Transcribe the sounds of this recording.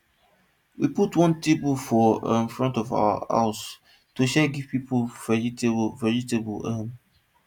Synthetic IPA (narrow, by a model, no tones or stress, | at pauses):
wiputwɔ̃ntʰebofɔɪ̰̃nfɹɔ̃ntɔva̰wə̰a̰ʊs | tuʃɛɡiv̥pipoltvɛɹitebəlɛ̃m